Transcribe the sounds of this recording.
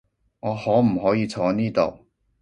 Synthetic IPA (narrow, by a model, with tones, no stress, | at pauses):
ŋɔː˨˧hɔː˨˥m̩˨˩ɦɔː˨˥jiː˨˧t͡sʰɔː˨˧˥niː˥t̪o̰˨˩w